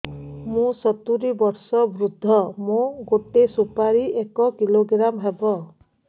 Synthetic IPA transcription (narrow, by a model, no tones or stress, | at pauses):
mũsɔt̪uɾibɔɾsɔbɾud̪ʱːɔmũɡoʈesupaɾiekɔkiloɡɾamɦebɔ